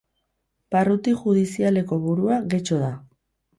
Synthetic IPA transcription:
parut̪iʝuð̞isiale̞ko̞βuɾuaɣe̞t͡ʃo̞ða

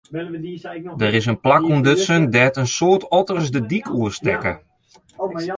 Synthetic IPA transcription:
dərɪs̬ənplakuəndøtsəndɛːtənsoːtɔtərsdədikʰuəstɛkə̰

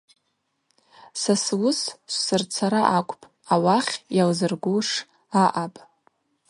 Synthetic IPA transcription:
saswʊsʃʷsɨrt͡sʰaɾaʔakʷʼpʼ | awaχʲjalzɨrɡʷuʂ | aʔapʼ

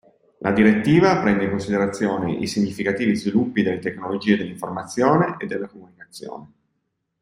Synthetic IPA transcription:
lʔad̪iɾet̪ːiːvapɾɛnd̪eiŋkonsid̪eɾat̪sːjoːneʔḭsiɲːifikat̪iːvizvilupːid̪elːet̪eknolod͡ʒiːed̪elːiɱformat̪sːjoːneʔed̪ːelːakomunikat̪sːjo̰ːne

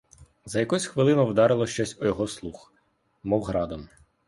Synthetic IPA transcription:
zɐjɐkɔsʲxʋɪlˠɪnʊwd̪ɑɾɪlˠɔʃt͡ʃɔsʲɔjɔɦɔslˠux | mɔwɦɾɑd̪ɔm

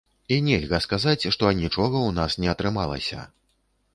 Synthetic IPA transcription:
inʲɛlʲɣɐskazat͡sʲʂt̪ɔnʲit͡ʂɔɣɐwnasnʲɛɐt̪ɾɨmalˠɐ̰sʲɐ̰

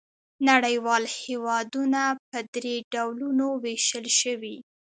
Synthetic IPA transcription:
naɽəjwɑlhewɑd̪unapəd̪ɾeɖawlunoweʃəlʃəwi

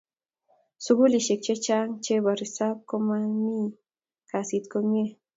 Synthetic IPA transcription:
sʊɡuliʃek̚t͡ʃet͡ʃaŋt͡ʃeβaɾisap̚komami | kasit̪kome

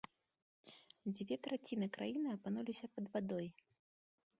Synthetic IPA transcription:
d͡zʲvʲɛt̪ɾat͡sʲinɨkɾajinɨɐpanulʲisʲɐpɐd̪vad̪ɔj

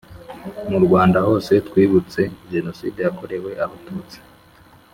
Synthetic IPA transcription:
muɾɡwaːndaho̞ːse̞twiːβut͡se̞ʒe̞no̞sḭːdejako̞ɾe̞we̞ʔaβatuːt͡si̥

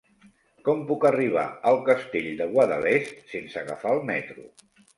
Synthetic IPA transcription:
kɔmpukəriβ̞a̰əlˠkəst̪eʎd̪əɣwaðə̰lest̪sensəɣəfaəlˠmɛt̪ɾṵ

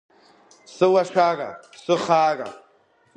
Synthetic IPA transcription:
sɨwaʃᶣaːkʼa̰sɨχaːkʼa̰

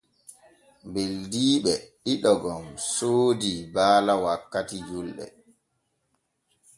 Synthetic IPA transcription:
mbeldiːɓɛɗiɗɔɡɔmsoːdibaːlawakːatid͡ʒulɗɛ̰

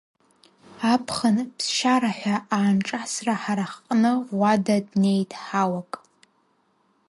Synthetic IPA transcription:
apʰχənpʰsʃaɾaħʷaaːnʈ͡ʂʼasraħaɾaχqʼnɨwadadne̞jtʼħawakʼ

